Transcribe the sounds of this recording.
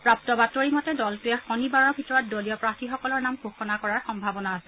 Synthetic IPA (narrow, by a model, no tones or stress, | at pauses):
pɹap̚tɔbatoɹimɔtɛdɔltʊjɛxɔnibaɹɔɹbʱitɔɹɔt̚dolijɔpɹatixɔkɔlɔɹnamɡʱoxɔnakɔɹaɹxɔmbʱabɔnaːsɛ